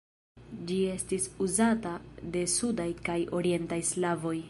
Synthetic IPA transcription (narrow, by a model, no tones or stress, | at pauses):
d͡ʒie̞stisuzatade̞sudajkajʔo̞ɾie̞ntajslavo̞j